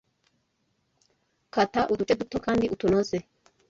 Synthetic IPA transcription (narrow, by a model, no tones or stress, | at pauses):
kɐt̪ːaʔʊd̪ʊt͡ʃʼɛd̪ʊt̪ːɔkand̪ɪʔʊt̪ːʊnosɛ